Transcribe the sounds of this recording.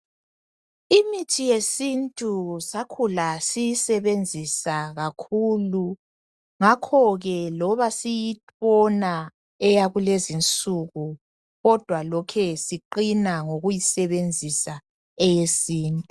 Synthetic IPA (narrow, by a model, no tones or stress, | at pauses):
imitʰijesintʼusakʰulasijisɛβend͡zʱisaɣakʰulu | ŋakʰɔɣɛlɔβasijit | ɔna | ɛjaɣulezint͡sʼuɣu | ɣɔd̥ʱwalɔkʰɛsiǃinaŋoɣujisɛβend͡zʱisa | ɛjesiːntʼu